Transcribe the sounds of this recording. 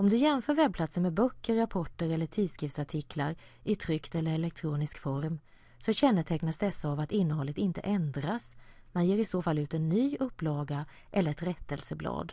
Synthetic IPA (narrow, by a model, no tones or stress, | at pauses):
ɔmd̪ɵjɛnfœːɾvɛb̚pʰlat̪səɳmɛbœkːəɾːapʰɔʈːəɾɛlːəʈʰiːd̪skɾiːfsaʈʰɪkʰlaɾ | ʔɪt̪ʰɾʏkt̪ɛlːəɾɛlɛk̚t̪ʰɾuːnɪskfɔɾm | sɔɕɛnːət̪ʰɛknasd̪ɛsːaːvat̪ɪnːəhɔlːət̪ɪnt̪ə̰ʔɛnd̪ɾasmanjeːɾɪsoːfalːʉ̟ːt̪ɛnːyːɵpːlɑːɡa | ʔɛlːəɾɛt̪ɾɛt̪ːəlsəblɑ̰ːd̪